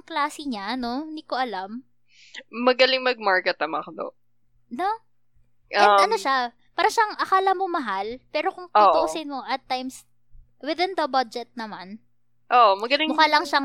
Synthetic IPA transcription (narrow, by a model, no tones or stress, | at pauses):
ŋklaːsiɲano̞nd̪ikoʔɐlam | mɐɡɐlɪŋmɐɡ̚maɹkɛt̪ːɐmɐkod̪o̰ | no | ʔɛʔɐno̞ʃa | paːɾɐʃaŋʔɐkaːlɐmomɐɦalpɛːɾo̞kʊŋt̪oʔ̪ʊʔsɪnmoʔɐt̪ːajms | wɪðɪnd̪ɐbad͡ʒɛt̪̚nɐman | ʔoʔmɐɡɐlɪŋmʊkaːlɐŋʃaŋ